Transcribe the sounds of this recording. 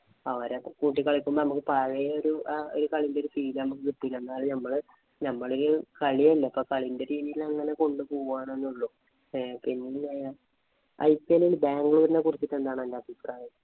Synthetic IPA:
ɐʋɐɾekuːʈ̬ːikːɐɭikʲːumbonɐmukːɨpɐːɻɐjɐoɾuoɾukɐɭindeoɾufiːlnɐmukːɨkiʈːijilenːaːɭnɐmːɐɭ | nɐmːɐɭoɾukɐɭielːepːoːkɐɭindeɾiːðijilɐŋːɐne̞ko̞ɳɖɨpoːɣuaːɳenːuɭːu | pinːinːe | ɐ̰jpːelilɨbaːŋɡuɭuʋɐɾnːekurit͡ɕːiʈːend̪aːɳɨɐndapiskaːji

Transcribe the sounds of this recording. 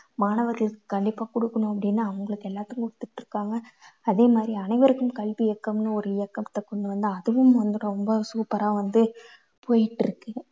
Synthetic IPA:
maːɳɐʋɐtɐlɯkːɯ̥kɐɳɖɪpːaːkʊɽɯkːɐɳʊ̃ɐpːɐɽɪnːaːʋɐŋɡɐɭɯkːɛlːaːt̪ːɯŋkʊɽɯt̪ːɯʈːɾɯkːaːŋɡɐːðeːmaːðɾiɐnɐɪʋɐɾɯkːɯmkɐɭʋijɛkːɐmnɯɔɾɯɪjɐkːɐmt̪ːɐkːɔɳɖɯʋɐnd̪ɯɐðɯʋɯmɐnd̪ɯɽɐ̃ɾɔmbɐsuːpɐɾaːʋɐnd̪ɯ | pʰoːjɪʈːɪɾɯkːɯ

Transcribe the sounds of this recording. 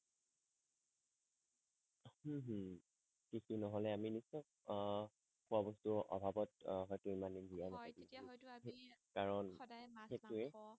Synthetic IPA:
h̩ɦ | kixinɔɦɔlɛaminisɔ̃ | xʊabɔstʊʔɔ̰bʱabɔtɦɔjtʊimanidijanakadisi | kaɹɔnxetʊɛ

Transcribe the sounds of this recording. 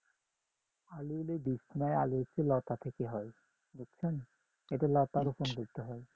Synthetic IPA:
aliled̪isʰinaea̰lit͡ɕʰelɔt̪at̪ʰekeɦɔe | d̪okt͡ɕʰen | eʈelɔt̪aɾofonɡuɾt̪eɦɔe

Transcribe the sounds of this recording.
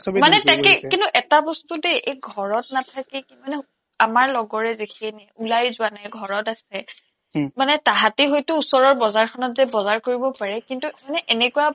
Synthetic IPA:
sbimanɛtakɛkintuʔɛtabɔstudeʔeɡʱɔɹɔtnatʰakɛkimanɛ | amaɹlɔɡɔɹɛzekʰiɛnɛulajzʊwanajɡʱɔɹɔtasɛ | manɛtaɦatiɦojtʊːsɔɹɔɹbɔzaɹkʰɔnɔtzɛbɔzaɹkoɹibɔpaɹɛkintumanɛʔenɛkuwa

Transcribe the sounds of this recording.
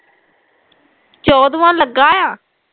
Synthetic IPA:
t͡ʃɔːd̪ʋãːləɡaːjãː

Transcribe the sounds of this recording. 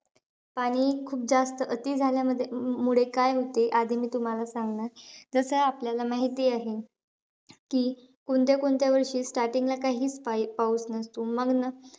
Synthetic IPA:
paɽ̃iːkʰuːp̚d͡zast̪əʔət̪iːd͡zʱaljaməd̪ʱːemuɭekajɦot̪eʔad̪ʱimiːt̪um̤alasaŋɡɳaɾd͡zəsəapljalamaɦit̪iːaɦe | kiː | koɳt̪̬jakoɳt̪jaʋəɾʂiːsʈaɾʈiŋɡlakaɦiːt͡spapauːt͡snəst̪uməɡnə

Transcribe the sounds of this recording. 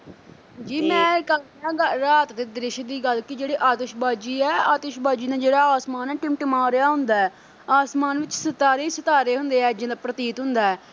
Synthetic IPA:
d͡ʒiːmɛ̃ːkəl | ãːɡəɾaːt̪t̪eːd̪ɾɪʃd̪iːɡəlkɪd͡ʒeːɽeːʔaːt̪ɪʃbaːd͡ʒiːɛːaːt̪ɪʃbaːd͡ʒiːnãːd͡ʒeːɽaːaːsmaːnɛːʈɪmʈmãːɾɪjaːɦʊnd̪aːɛː | aːsmaːnʋɪt͡ʃsət̪aːɾeːsət̪aːɾeːɦʊnd̪eːɛːd͡ʒɪnd̪aːpɾət̪iːt̪ɦʊnd̪aːɛː

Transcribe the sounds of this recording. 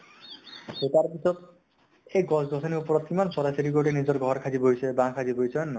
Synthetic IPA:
et̪aɾpit̪ɔt̪ | eɡɔsɡɔsʰɔniupɾɔt̪imansɔɾasiɾiɡoʈenid͡ʒɔɾɡʱɔɾkʰad͡ʒibojsʰebãkʰad͡ʒibojt͡ʃʰɔnːɔ

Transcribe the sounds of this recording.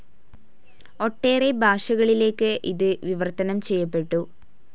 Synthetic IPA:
o̞ʈːe̞ːrebʱaːʂɐɣɐɭile̞ːkːɨʔiðɨʋiʋɐrt̪ɐnɐmt͡ɕejːɐpːeʈːu

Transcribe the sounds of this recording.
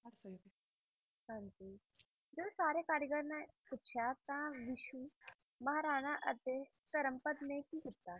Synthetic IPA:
ɦãːɲd͡ʒi | d͡ʒosaːɾekaːɾiɡəɾnapʊt͡ʃʰjat̪ãʋɪʃumɐɦaɾaːɽ̃aʔɐd̪ekɐɾəmpət̪mẽkiɦɪt̪ːaː

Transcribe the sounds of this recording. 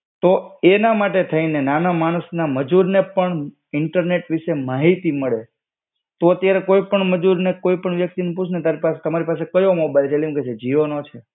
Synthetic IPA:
t̪oenamaʈet̪ʰəinenanamaɽ̃əsnaməd͡ʒuɾnepəɳ | ɪɳʈəɾneʈʋiʃemaɦit̪iməɭe | t̪oət̪jaɾekoipəɳməd͡ʒuɾnekoipəɳʋjək̚t̪inuput͡ʃʰnet̪aɾipaset̪əmaɾipasekəjõmobajld͡ʒelimket͡ʃʰed͡ʒiʋonot͡ʃʰe

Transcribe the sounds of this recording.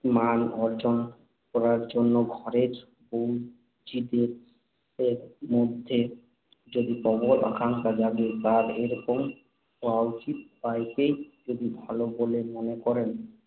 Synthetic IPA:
manɔɾd͡ʑon | kɔɾaɾd͡ʑonːoɡʱɔɾeɾ | bow | t͡ɕid̪eɾ | eɾmod̪ʱːe | d͡ʑod̪ipɔbola̰kʰaŋkad͡ʑaɡet̪aɾeɾokom | oawt͡ɕit̪̚bajkejd͡ʑod̪ibʱalobolemonekɔɾen

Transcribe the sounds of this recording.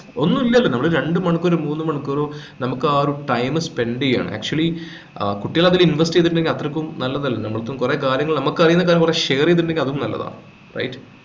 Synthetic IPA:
o̞nːumilːɐɐlːɐnɐmɐɭɨɾe̞ɳɖɨmɐɳukːoɾomuːnːɨmɐɳukːoɾoːnɐmukːɨaːɾuʈɐjmspe̞ɳɖiŋa̰ːɳɨ̰ʔa̰ːk̚t͡ɕuɐɭli | kuʈːijɐlɐðilinʋɐsʈieðʈːuɳɖe̞ŋɡilɐt̪rɐkʲːumnɐlːɐðɐlːɐnɐmːɐɭt̪ːomkure̞ːkaːɾjɐŋːɐɭnɐmukːɨɐrijunːɐk̬aːɾjɐmkureʂeːrijeðuɳɖeŋɡilɐðuumnɐlːɐ̰ða̰ːɳɨ | rɐ̰jtː

